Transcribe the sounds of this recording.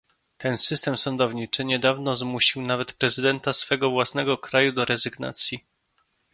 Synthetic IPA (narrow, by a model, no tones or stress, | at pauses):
t̪ɛnsɘst̪ɛmsɔnd̪ɔvɲit͡ʂɘɲɛd̪avnɔzmuɕiwnavɛt̪pɾɛzɘd̪ɛnt̪asfɛɡɔvwasnɛɡɔkɾajud̪ɔɾɛzɘɡna̰t̪sʲji